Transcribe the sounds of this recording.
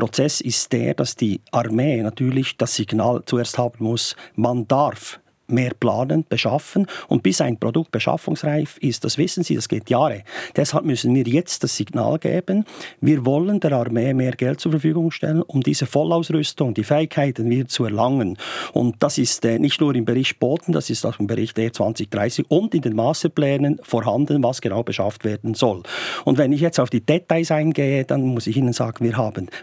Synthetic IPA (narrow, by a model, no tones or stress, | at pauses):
pɾɔt͡sɛsɪstd̥ḛːɾd̥asd̥iːʔaʁmeːnatʰyːʁlɪçd̥asːɪɡ̥na̰ːlt͡sueːɐsthaːbən̩mʊsmand̥aɾf | meːɾpla̰ːnənb̥əʃafənʊ̰nt̚b̥ɪsaɪnpʁɔdʊk̚t̚b̥əʃa̰fʊŋsʁaɪfɪst̚d̥asv̥ɪsən̩zḭːd̥asɡ̥eːtʰjaːɾəd̥ɛsha̰lp̚mʏsən̩viːjɛt͡st̚d̥asɪɡ̥na̰ːlɡ̥ḛːb̥ənviːɾvɔlənd̥ɛːɾaʁmeːmeːɾɡ̥ɛlt̚t͡suːɹfɛfyːɡʊŋʃtɛ̰lənʊmdiːzəfɔlaʊsʁʏstʊŋd̥iːfɛɪkhaɪtənviːt͡suɛɐʁlaŋənʊ̰nt̚d̥asɪstɛːnʔɪçtnuːɾɪmbəɾɪçt̚b̥oːtn̩d̥a̰sɪstaʊxɪmbəɾɪçteːt͡sv̥a̰nt͡sɪçd̥ʁaɪsɪçʊndɪndeːnmaːstəplɛːnənfoːɾɦandənvasɡ̥ənaʊb̥əʃa̰ftv̥eːdn̩z̥ɔlʊ̰ndvɛnɪçjɛt͡staʊfd̥iːd̥ɛtaɪsaɪnɡeːəd̥anmʊsɪçiːnənz̥a̰ːɡ̥ən̩viːɾɦaːbən